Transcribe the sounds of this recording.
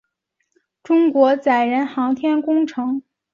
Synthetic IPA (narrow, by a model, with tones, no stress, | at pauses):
ʈ͡ʂʊ˥ŋkwɔ˧˥t͡sa˨˩ɪɻə˧˥nxɑ˧˥ŋt̪ʰjɛ˥nkʊ˥ŋʈ͡ʂʰɤ˧˥ŋ